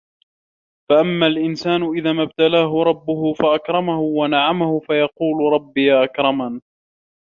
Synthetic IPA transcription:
faʔamːalʔɪnsaːnʊʔɪðaːmab̚t̪alaːɦʊɾˤɑbːʊɦʊfaʔakɾˤɑmahʊwanaʕamahʊfajɑquːlɾˤɑbːijaːʔakɾˤɑma

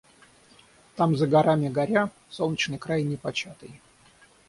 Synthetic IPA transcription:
t̪amzəɡɐɾamʲɪɡɐɾʲa | solˠnʲɪt͡ɕnɨjkɾajnʲɪpɐt͡ɕat̪ɨj

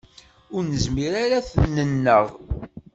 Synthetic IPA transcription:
ʊɾnəzmiɾaɾaθnənːəʁ

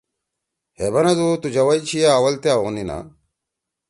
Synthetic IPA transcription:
hebɐnɐd̪ut̪ud͡ʑɐwɐjit͡ɕʰijaːwɐlt̪eaoɣnina̰

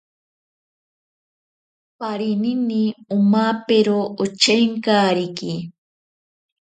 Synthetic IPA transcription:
paɾɪnɪniʊmapeɾoʔʊt͡ʃeŋkaɾɪki

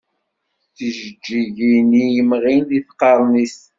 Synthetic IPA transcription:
θəʒəd͡ʒːiʝinijəmʁinðiθqːɑɾˤnis

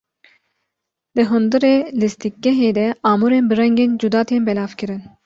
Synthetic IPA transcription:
d̪ɨɦund̪ɨɾeːlist̪ik̚ɡɛɦeːd̪ɛɑːmuɾeːnbɨɾɛŋɡeːnd͡ʒud̪ɑːt̪ʰeːnbɛlɑːfkɨɾɨn

